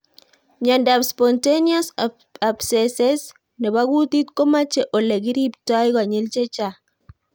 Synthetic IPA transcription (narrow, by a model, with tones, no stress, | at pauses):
ɲa˨nda˨pspɔ˨ntenia˦s | a˨bsɛ˨sɛ˦s | nɛ˨ba˦ɡu˦t̪i˦t̪kɔ˦ma˦t͡ʃɛ˨ʔo˨lɛ˨ɡi˦ɾi˦p̚ta˦jka˨ɲɪ˦lt͡ʃɛ˦t͡ʃa